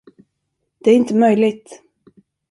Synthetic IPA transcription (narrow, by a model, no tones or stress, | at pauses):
d̪̥ɛæɾɪnt̪əmœjlɪɡ̚t̪